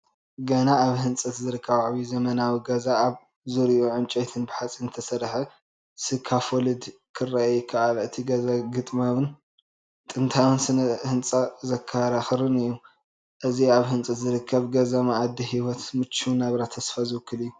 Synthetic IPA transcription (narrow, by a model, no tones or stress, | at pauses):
ɡɐnaaβhɨnt͡sʼɐt̪zɨɾɨkʰːɐβʕβizɐmɐnawiɡɐzaːβ | zɨɾiʔuʕɨnt͡ʃʼojt̪ʰɨnbɨħat͡sʼinɨt̪ʰɐsɐɾħe | sɨkʰːafolɨd̪kʰɨrːaajkʰaʔalɨt̪ʰiɡɐzaɡɨt̪ʼmaβɨn | t̪ʼɨnt̪ʰawɨnsɨnɐhɨnt͡sʼazɐkʰːaɾaxɨɾɨnɨjːu | ʔɨziaβhɨnt͡sʼɐt̪zɨɾɨkʰːɐβɡɐzamaʔːd̪ːihiwɔt̪mɨt͡ʃːunaβɾat̪ʰːɐsfazɨwɨkːɨlɨjːu